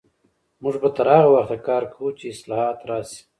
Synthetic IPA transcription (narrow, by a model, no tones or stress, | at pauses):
mʊʐbat̪aɾaːɣawaxt̪akɑːɾkʰawut͡ʃeɪslɑhɑːt̪ɾɑːsi̥